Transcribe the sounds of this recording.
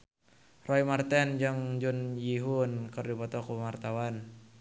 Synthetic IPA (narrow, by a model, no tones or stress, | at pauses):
rɔimart̪ɛnd͡ʒɨŋd͡ʒunjiɦunkɨrdipɔt̪ɔkumart̪awan